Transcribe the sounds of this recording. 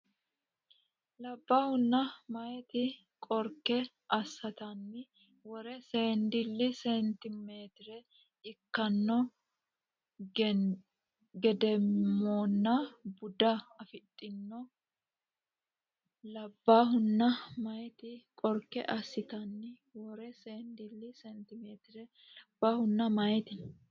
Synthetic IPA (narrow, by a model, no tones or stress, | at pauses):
lɐbːaːhʊnːɐmɐjɛt̪ɪ | kʼɔɾkːɛ | ʔɐsːɐt̪ɐnːɪ | wɔɾɛseːnd̪ɪlːɪsɛnt̪ɪmeːt̪ɪɾɛ | ɪkːɐnːɔ | ɡɛd̪ɛmːoːnːɐbʊd̪ɐːfɪt̪ʼːɪnːɔ | lɐbːaːɦʊnːɐmɐjt̪ɪkʼɔɾkːɛ̰ʔɐsːɪt̪ɐnːɪ | wɔɾɛseːnd̪ɪlːɪsɛnt̪ɪmeːt̪ɪɾɛ | lɐb̥ːaːhʊnːɐmɐjt̪ɪ